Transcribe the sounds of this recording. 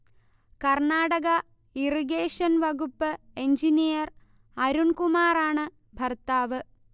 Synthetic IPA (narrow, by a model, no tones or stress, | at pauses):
kɐrɳaːɽɐɣɐ | iriɡeːʂɐnʋɐɡupːɨeɲd͡ʑinijɐr | ɐɾuɳkumaːraːɳɨ | bʱɐrt̪aːʋɨ